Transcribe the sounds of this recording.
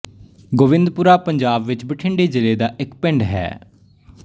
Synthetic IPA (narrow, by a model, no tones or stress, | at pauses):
ɡoːʋɪ̃nd̪puːɾaːpəɲd͡ʒaːbʋɪt͡ʃbɪʈʰɪɳɖeːd͡ʒɪleːd̪aːʔɪkpɪ̃ɳɖɦɛ̰ː